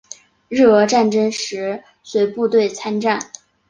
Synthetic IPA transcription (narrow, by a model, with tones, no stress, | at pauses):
ɻɻ̩˥˩ɤ˧˥ʈ͡ʂa˥˩nʈ͡ʂə˥ŋʂɻ̩˧˥ | swe˧˥ɪpu˥˧t̪we˥˩ɪt͡sʰa˥nʈ͡ʂa˥˩n